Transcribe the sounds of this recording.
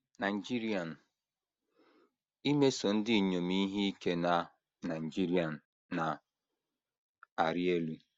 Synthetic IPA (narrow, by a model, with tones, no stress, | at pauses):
na˨i˨d͡ʒi˦ɾi˦a˨n˨ | i˦me˦so˨n̩˦dɪ˦˨ɲo˨mi˦ɦi˦i˦ke˦na˨ | na˨n˨d͡ʒi˦ɾi˦a˨n̩ː˨ | a˨ | a˨ɾɪ˦e˦lu˦